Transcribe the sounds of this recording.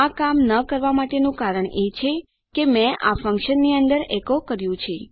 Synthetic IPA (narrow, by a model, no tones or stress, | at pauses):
akamnəkəɾʋamaʈenũkaɾəɳet͡ʃʰe | kemɛ̃a̰fə̃ŋkʃənːiənd̪əɾɛkokəɾjũt͡ʃʰe